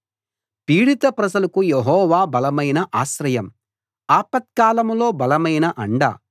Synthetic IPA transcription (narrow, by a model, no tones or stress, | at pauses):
piːɽit̪ɐpɾɐd͡ʒɐlɐkujeɦɔːʋaːbɐlɐmɐjnɐʔaːʃɾɐjɐm | aːpɐt̪̚kaːlɐmlo̞ːbɐlɐmɐjnɐʔɐɳɖɐ̰